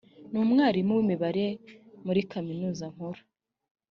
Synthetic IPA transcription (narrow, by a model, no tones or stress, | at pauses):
nuːmŋaːɾimuwimiβaɾemuɾikʰaminuːzaŋ̥hoɾo̥